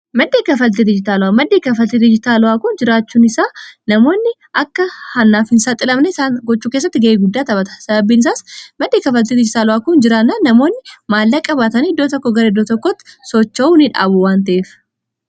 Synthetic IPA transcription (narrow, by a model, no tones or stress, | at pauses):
mɐd̪ːeːkɐfɐlt̪ɪd̪ɪd͡ʒɪt̪aːlʊwamɐd̪ːeːkɐfɐlt̪ɪd̪ɪd͡ʒɪt̪aːlʊwaːkʊnd͡ʒɪɾaːt͡ʃːuːnɪsaːnɐmo̞ːnːɪ | ʔɐkːɐhɐnːaːfhɪnsaːt̪ʼɪlɐmnɛsaːnɡɔt͡ʃːuːke̞ːs̬ːɐt̪ːɪɡɐʔeːɡʊd̪ːaːt̪ɐbɐt̪ɐ̥sɐbɐbːiːnɪsaːsmɐd̪ːeːkɐfɐlt̪ɪd̪ɪd͡ʒɪt̪aːlʊwaːkʊnd͡ʒɪɾaːnːaːnːɐmo̞ːnːɪmaːlːɐkʼɐbaːt̪ɐniɪd̪ːoːt̪ɔkːoɡɐɾeɪd̪ːoːt̪ɔkːot̪ːɪ̥sɔt͡ʃːɐuːnɪᶑa̰ːbuwaːnt̪ɐʔeːf